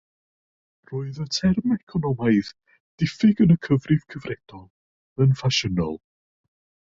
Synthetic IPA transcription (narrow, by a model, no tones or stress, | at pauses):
roːɨðətʰɛrmɛkʰɔnɔmaɨð | d̥ɪfɪɡənəkʰəvrɪv̥kʰəvrɛd̥ɔlˠ | ənfaʃənɔ̰lˠ